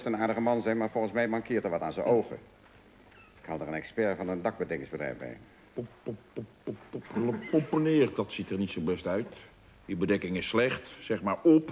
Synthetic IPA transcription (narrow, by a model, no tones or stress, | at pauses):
stənaːɹdəɣəmɑnzɛjnmaːɹvɔlˠɣənsmɛjmɑŋkɪːtəɹʋɑtaːnzənʔowɣə̰ | ɪ̥khɑlˠdərənɛkspɛɹvɑnəndɑk̚bədɛkɪŋzbədrɛ̰jbɛ̰j | popopopːoplpɔpənɪːərdɑtsitərnitsobɛstœɥt | jəbədɛkɪŋɪsːlɛχtsɛχmaːɹɔp